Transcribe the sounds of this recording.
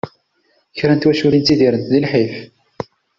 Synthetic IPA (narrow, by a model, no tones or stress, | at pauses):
çɾænt̪wæʃuɾint̪ːiðiɾənt̪ðilħif